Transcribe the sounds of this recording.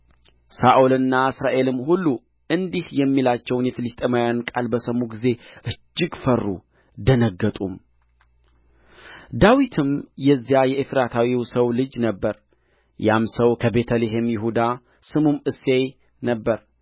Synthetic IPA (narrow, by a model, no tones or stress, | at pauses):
saʔolɨnːaɨsɾaʔe̞lɨmːhulːu | ʔɨnd̪ihjɛmːilat͡ʃːɛwnjɛfɨlist̪ʼemajankʼalbəsəmuɡize̞ʔɨd͡ʒːɪɡfərːṵ | d̪ənəɡːət̪ʼum | d̪awit̪ʰɨmjɛzːjajɛʔifɾat̪ʰawiwsəwlɨd͡ʒnəbːəɾ | jamsəwkʰəbe̞t̪ʰəleɦe̞mjɪhud̪a | sɨmumɨsːe̞j | nəbːəɾ